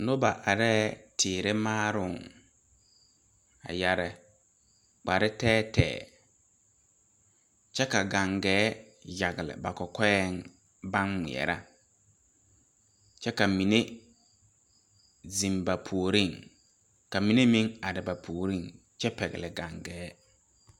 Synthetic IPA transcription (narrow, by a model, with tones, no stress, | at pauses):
nʊ˦ba˨ʔa˨ɾɛː˦tʰɪː˨ɾɪ˦maː˦ɾʊ˦˨ŋ | a̰˨ja˨ɾɪ˦˨ | k͡pa˨ɾɪ˦tɛː˦tʰɛ̰ː˨ | t͡ʃɛ˦ka˨ɡa˨ŋɡɛː˨˦ | ja˨ɡɪ˨lɪ̰˨ba˨kɔ˨kɔ˦ɛ˦ŋ | ba˦nːḭ˨ɛ̰˨ɾa˦ | t͡ʃɛ˦ka˨mi˨ne˦ | zi˨mba˨pʰu˨o˨ɾi˦˨ŋ | ka˨mi˨ne˦mĩ˦ŋa˨ɾɪ˨ba˨pʰu˨o˨ɾi˦ŋ | t͡ʃɛ˦pɛ˨ɣɪ̰˨lɪ˨ɡa˨ŋɡɛː˦